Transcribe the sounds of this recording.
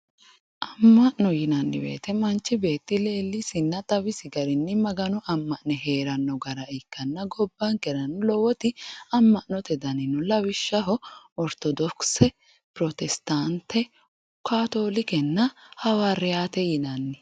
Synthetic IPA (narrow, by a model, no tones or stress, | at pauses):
ʔɐmːɐʔnɔjɪnɐnːɪ̰bḛːt̪ɛmɐnt͡ʃːɪbe̞ːt̪ːɪle̞ːlːɪsɪnːɐt̪ʼɐwɪsɪɡɐɾɪnːɪmɐɡɐnɔʔɐmːɐʔnɛɦe̞ːɾɐnːɔɡɐɾɐɛkːɐnːɐɡɔbːaŋkɛɾɐnːʊlɔwɔt̪ɪɐmːɐʔnɔt̪ɛd̪ɐnɪnʊlɐwɪʃːɐɦɔ | ɔɾt̪ɔd̪ɔksɛ | pɾɔt̪ɛst̪ant̪ːɛ | ʊ | kaːt̪oːlɪkɛnːɐhɐwaɾɪaːt̪ɛjɪnɐnːɪ